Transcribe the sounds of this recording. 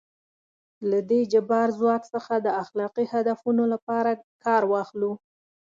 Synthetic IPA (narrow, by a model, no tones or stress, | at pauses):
lad̪ed͡ʒabɑɾzwɑksəxad̪əaxlɑqihad̪afunolapɑɾakɑɾwɑxlu